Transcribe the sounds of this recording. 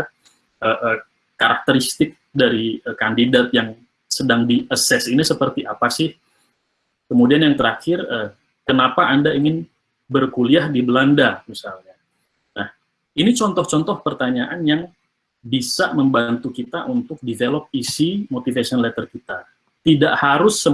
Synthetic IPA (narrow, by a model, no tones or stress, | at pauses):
ʔəʔə | kaɾak̚t̪əɾist̪ɪk̚daɾiəkandidat̪̚jaŋ | sədaŋdiʔəsɛsinisəpərt̪iʔapasɪh | kəmudianjaŋt̪əɾaxɪrə | kənapaʔandaiŋɪn | bərkuliahdibəlandamisalɲa | nʔah | init͡ʃɔnt̪ɔht͡ʃɔnt̪ɔhpərt̪aɲaʔanjaŋ | bisaməmbant̪ukit̪aʔunt̪ʊk̚divelɔp̚isimot̪ifasiɔnlɛt̪ərkit̪a | t̪idaʔhaɾʊsə